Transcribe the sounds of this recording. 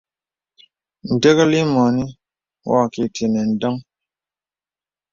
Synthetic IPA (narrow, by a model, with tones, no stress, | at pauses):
n̩˨de˦ɣə˦li˦mɔ˨ni˦ | wɔ˦˨ki˨tʰe˨nɛ˨n̩˨dɔ˦ŋ